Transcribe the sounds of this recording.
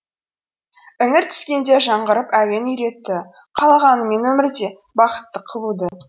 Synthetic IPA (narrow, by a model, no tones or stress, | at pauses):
ɪŋɪɾt̪ʰʏ̥skʲe̞nd̪e̞ʒɑɴʁəɾəpæwe̞nʏjɾe̞t̪ːɪ | qʰɑlˠɑʁɑnəme̞nwɵmɪɾd̪e̞ | bɑqə̥t̪ːəqʰːəlˠud̪ə